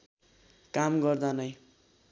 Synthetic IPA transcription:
kamɡʌrd̪anʌj

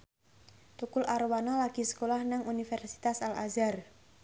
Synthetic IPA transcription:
t̪ukʊlʔaɾwanɔlaɡ̥i̤sə̥kolahnaŋunifɛrsi̥t̪asala̰zar

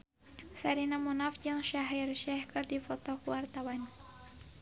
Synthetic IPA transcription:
saɾinamunafd͡ʒɨŋʃaɦirʃɛhkɨrdifɔt̪ɔkuwart̪awan

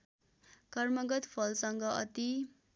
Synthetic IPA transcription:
kʌrmʌɡʌt̪pʰʌlsʌŋɡʌʌ̰t̪i

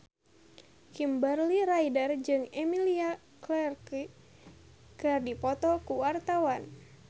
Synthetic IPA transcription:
kimbərliɾaidərd͡ʒɨŋɛmilia | klɛrk | kərdipɔt̪ɔkuwart̪awan

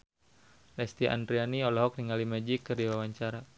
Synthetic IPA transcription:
lɛst̪iʔa̰nd̪ɾianiɔlɔɦɔk̚niŋalimad͡ʒikːərdiwawaɲt͡ʃaɾa

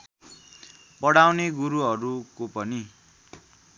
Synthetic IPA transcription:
pʌɽawneɡuɾuɦʌɾukopʌni

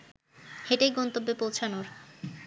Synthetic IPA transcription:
heʈejɡɔnt̪obːepowt͡ɕʰanoɾ

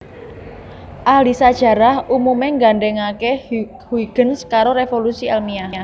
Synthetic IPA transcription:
ʔahlisad̥ʒ̥ä̤ɾahʔumumeŋɡaɳɖɛŋake | hwiɡ̥ə̤nskaɾoɾefolusiɛlmiaa

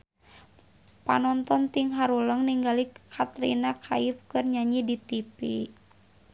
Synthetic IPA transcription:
pa̰nɔnt̪ɔnt̪iŋɦaɾuləŋniŋɡalikʰat̪ɾḭnakʰaifkɨrɲaɲidit̪ipḭ

